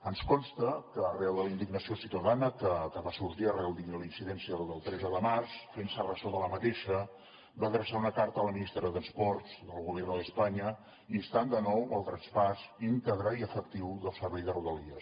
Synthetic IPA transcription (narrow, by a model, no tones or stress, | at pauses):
ənskɔnst̪əkəːrɛlˠðəlind̪iɡnəsiosit̪əðanəkəkəβasuɾʒiərɛlˠd̪iɡnəlinsiðɛnsiəd̪əlˠt̪ɾɛzəðəmarsfensərəsoðələmət̪eʃə | baðɾəsaunəkaɾt̪ələminist̪ɾəðəspɔɾt̪zd̪əlˠɣuβɛrnðəspaɲə | iəst̪and̪ənɔwəlˠt̪ɾənspazint̪əɣɾəiəfəkt̪iwðəlˠsəɾβɛjðəruðəliəs